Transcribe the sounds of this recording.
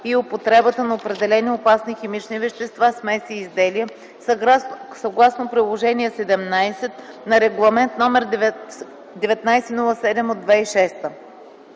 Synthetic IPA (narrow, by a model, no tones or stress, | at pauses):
iopot̪ɾɛbət̪ənɐopɾɛd̪ɛlɛniopasniximit͡ʃnivɛʃt̪ɛst̪vasmɛsiːzd̪ɛliə | səɡlˠasnopɾilˠoʒɛniɛsɛd̪ɛmnajsɛt̪ | nɐɾɛɡlˠɐmɛnt̪nɔmɛɾd̪ | d̪ɛvɛt̪najsɛnulˠəsɛd̪ɛmod̪ːvɛiʃɛst̪ə